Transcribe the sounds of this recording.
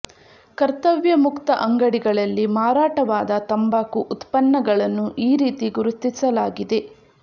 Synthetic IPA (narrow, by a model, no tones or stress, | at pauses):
kɐɾt̪ɐʋjɐmukt̪ɐʔɐŋɡɐɽiɡɐɭɐlːimaːɾaːʈɐʋaːd̪ɐt̪ɐmbaːkuʔut̪pɐnːɐɡɐɭɐnːuʔiːɾiːt̪iɡuɾut̪ːisɐlaːɡid̪e̞